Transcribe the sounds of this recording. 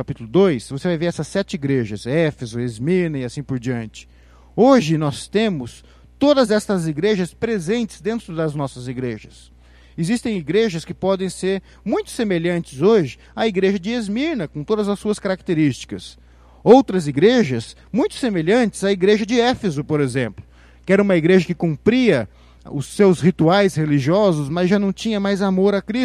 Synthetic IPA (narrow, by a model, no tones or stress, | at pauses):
kapit̪ulʊd̪ojsvosevajveɾɛsɐsːɛt͡ʃɪiɡɾeʒɐsɛfezʊezmiɾnɐɪasĩpoɾd͡ʒiɐ̃nt͡ʃɪ̥ | oʒɪnɔst̪ẽmʊs | t̪od̪ɐzɛst̪ɐziɡɾeʒɐspɾezẽnt͡ʃɪ̥zd̪ẽnt̪ɾʊd̪ɐznɔsɐziɡɾeʒɐ̰s | ezist̪ẽj̃iɡɾeʒɐskɪpɔd̪ẽj̃seɾ | mũj̃t̪ʊ̥semeʎɐ̃nt͡ʃɪzoʒɪ | ɐiɡɾeʒɐd͡ʒɪezmiɾnɐkõt̪od̪ɐzɐsuɐskaɾak̚t̪eɾist͡ʃi̥kɐs | owt̪ɾɐziɡɾeʒɐs | mũj̃t̪ʊ̥semeʎɐ̃nt͡ʃɪz̥ɐiɡɾeʒɐd͡ʒɪɛfezʊpoɾezẽmplʊ | kɪɛɾɐ̃ũmɐiɡɾeʒɐkɪkũpɾiɐ | ʊsːewshit̪uajsheliʒiɔzʊsmɐzʒanɐ̃w̃t͡ʃĩɲɐmajzamoɾɐkɾis